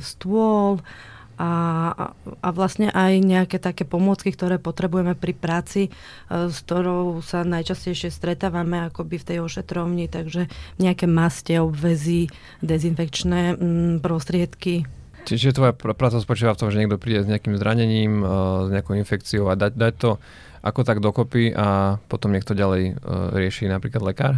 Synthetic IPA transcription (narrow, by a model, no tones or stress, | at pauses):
st̪ʊɔl | a | aʋlasɲɛʔajɲɛakɛːt̪akɛːpɔmʊɔt͡skikt̪ɔɾɛːpɔt̪ɾɛbujɛmɛpɾipɾaːt͡si | skt̪ɔɾɔʊsanajt͡ʃascɛjʃɪɛst̪ɾɛt̪aːʋamɛakɔbift̪ɛjɔʃɛt̪ɾɔʊɲit̪aɡʒɛɲɛakɛːmascɛɔbʋɛzi | d̪ɛzinfɛkt͡ʃnɛpɾɔst̪ɾɪɛt̪ki | t͡ʃɛt͡ʃiʒɛt̪ʋɔjapɾaːt͡saspɔt͡ʃiːʋaft̪ɔmʒɛɲɛɡd̪ɔpɾiːɟɛzɲɛakimzɾaɲɛɲiːmzɲɛakɔʊinfɛkt͡siɔʊad̪ac̚d̪ac̚t̪ɔ | ʔa̰kɔt̪aɡd̪ɔkɔpiʔapɔt̪ɔmɲɛk̚t̪ɔɟalɛjɾɪɛʃinapɾiːklad̪lɛkaːɾ